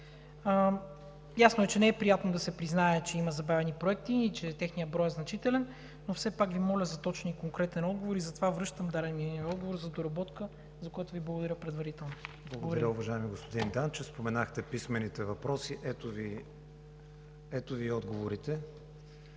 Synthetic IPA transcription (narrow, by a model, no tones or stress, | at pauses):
ə | jasnoɛt͡ʃɛnɛɛpɾijat̪nod̪ɐsɛpɾiznaɛt͡ʃɛimɐzɐbavɛnipɾoɛk̚t̪iːt͡ʃɛt̪ɛxnijəbɾɔjɛznɐt͡ʃit̪ɛlɛnː | ofsɛpakvimɔlʲəzɐt̪ɔt͡ʃnikoŋkɾɛt̪ɛnɔd̪̚ɡovoɾizɐt̪ovavɾɤʃt̪əmd̪aɾɛniiɔd̪ɡovoɾzɐd̪oɾɐbɔt̪kə | zɐkojat̪oviblˠɡod̪ɐɾʲjəpɾɛd̪vɐɾit̪ɛlˠnoblˠɐɡod̪ɐɾəʊvɐʒaɛmiɡospod̪ind̪ant͡ʃɛfspomɛnaxt̪ɛpismɛnit̪ɛvɐpɾɔsiʔɛt̪ovi | ɛt̪oviɔd̪ɡovoɾit̪ɛ